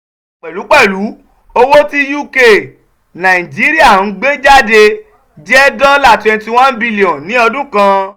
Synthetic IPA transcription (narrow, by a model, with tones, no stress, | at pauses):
k͡pɛ˨lu˨˦k͡pɛ˦˨lu˨˦ | o˧wo˦ti˦ju˦˨ke˦˨ | nã˨i˨d͡ʒi˨˦ɾi˦a˦˨n̩˦ɡ͡be˦d͡ʒa˦de˧ | d͡ʒɛ˦dã˦la˦˨twɛ̃˧n˦ti˧w̃ã˦n˦bi˦˧li˨ɔ̃˨nĩ˨˦ɔ˧dũ˦kã˧